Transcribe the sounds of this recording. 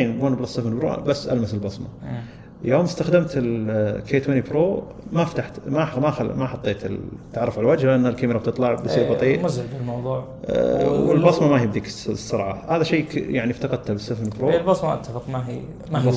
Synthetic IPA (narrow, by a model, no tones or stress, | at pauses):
eːnɡuːnbɪlɑsˤːɨfɪnbɾo̰basːʔa̰lmasɪlbɑsˤmɑ̰ | joːmɪst̪axd̪amt̪ɪlkːeːt̪wɪnibɾoː | maft̪aħt̪mamaxmaħɑt̪ˤːeːt̪ɪlt̪ːʕɑrˤːɑfʕalwad͡ʒhlɪʔanːalkamɪɾɑb̚t̪ɨt̪ˤlɑʕbɪsˤiːɾbɑt̪ˤiːʔmazʕɪbɪlmɑwðˤuːʕ | wɪ̰lbɑsˤmɑmahibd̪iːksˤːɑɾˤʕɑhaːðaʃeːjaʕnift̪ɑqɑd̪̚t̪abɨsˤːɨfɪnbɾoːlbɑsˤmɑʔa̰t̪ːafɪqmaɦi | aɑ